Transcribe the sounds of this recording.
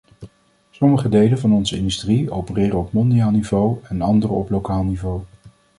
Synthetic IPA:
sɔməχədejlənvɑnɔnzəɪ̰ndystriowpərɪːrəɔpmɔndijaːlˠnivowɛnɑndərəɔplowkaːlˠnivow

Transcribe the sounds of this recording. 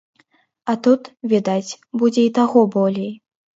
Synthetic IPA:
ɐt̪ut̪vʲid̪at͡sʲ | bud͡zʲɛit̪aɣɔbɔlʲej

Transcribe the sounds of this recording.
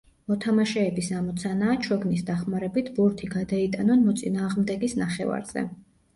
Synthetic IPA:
mɔt̪ʰamaʃɛːbisamɔt̪sʰanaːt͡ʃʰɔɡnisd̪aχmaɾɛbit̪ʰbuɾt̪ʰiɡad̪ait̪ʼanɔnmɔt̪sʼḭnaːʁmd̪ɛɡisnaχɛ̰va̰ɾz̥ɛ̰

